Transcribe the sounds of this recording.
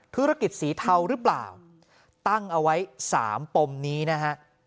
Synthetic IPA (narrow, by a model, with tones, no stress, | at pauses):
t̪ʰu˦˥ɾa˧ki˨˩t̪̚siː˩˦t̪ʰa˧wɾɯː˦˥pla̰ː˨˩w | t̪a˥˩ŋʔa˧wa˦˥jsa̰ː˩˦mpo˧mniː˦˥na˦˥kʰa˦˥ʔ